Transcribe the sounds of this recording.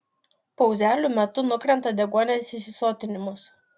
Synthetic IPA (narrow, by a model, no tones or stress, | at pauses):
pɒʊzʲæːlʲuˑmʲɛt̪ʊnʊkɾʲɛnt̪ɐd̪ʲɛɡuɔnʲeːsɪsʲɪsoːt̪ʲɪnʲɪmʊs